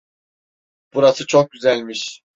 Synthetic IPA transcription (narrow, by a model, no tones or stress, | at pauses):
b̥uɾasɯt͡ʃʰok̚ɟyzælʲmiʃ